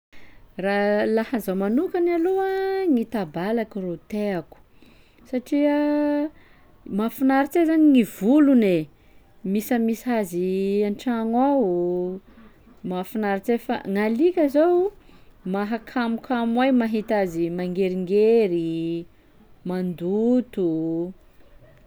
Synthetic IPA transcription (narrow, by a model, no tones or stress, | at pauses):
ralahazawmanukanaluaŋit̪abalakurot̪eaku̥ | saʈ͡ʂiə | mafinaɾit͡sezaɲiŋivulune | misamisazianʈ͡ʂaŋwaw | mafinaɾit͡sefa̰ŋalikʲəzaw | maɦakʰamukʰamwajmaɦit̪azimaŋɡeɾiŋɡeɾi | mand̪ut̪u